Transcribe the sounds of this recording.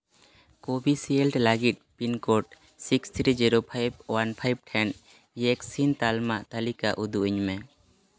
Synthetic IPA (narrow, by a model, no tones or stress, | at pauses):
kobʱisielʈlaɡit̪̚pinkoʈ̚ | sikst̪ʰɾid͡ʒiɾopʰajb̚wanpʰajb̚ʈʰɛn | jekssint̪almaʔt̪alikaʔud̪uʔiɲmɛ